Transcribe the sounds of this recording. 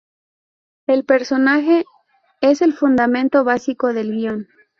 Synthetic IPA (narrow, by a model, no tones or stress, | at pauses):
elpe̞ɾso̞naxe̞ | ese̞lfund̪amẽ̞nt̪o̞βasiko̞ðe̞lɣjo̞n